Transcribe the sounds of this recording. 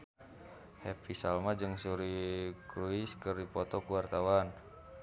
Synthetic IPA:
hɛpisalmad͡ʒɨŋsuɾikɾuiskɨrdipɔt̪ɔkuwart̪awan

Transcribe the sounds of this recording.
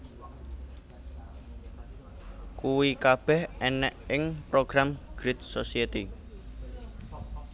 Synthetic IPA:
kuwikab̥ɛhɛnɛʔɪŋpɾoɡ̥ɾamɡ̥ɾɪt̪̚sosiet̪i

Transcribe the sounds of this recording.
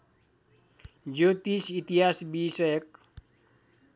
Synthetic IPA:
d͡ʒot̪isit̪iasbisk̚

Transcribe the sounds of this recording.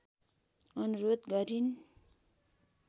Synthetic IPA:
ʌnuɾod̪ɡʌɾin

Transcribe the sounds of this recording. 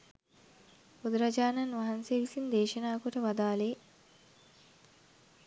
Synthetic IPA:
ud̪ɾad͡ʒaːnanʋaɦanseʋisind̪eːʃɐnaːkuʈəʋad̪aːle

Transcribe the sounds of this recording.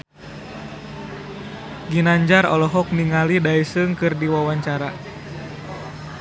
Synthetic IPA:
ɡinaɲd͡ʒaɾɔ̰lɔɦɔk̚niŋalidaisɨŋkɨrdiwawaɲt͡ʃaɾa

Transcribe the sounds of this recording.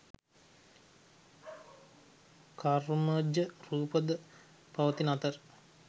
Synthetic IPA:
kʰaruməd͡ʒəruːpəd̪ə | paʋət̪inat̪ər

